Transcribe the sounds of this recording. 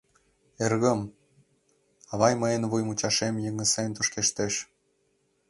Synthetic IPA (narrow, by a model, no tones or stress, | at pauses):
erɣə̆m | ɑβɑjməenβujmut͡ɕɑʃemjɤŋə̆sent̪uʃkeʃt̪eʃ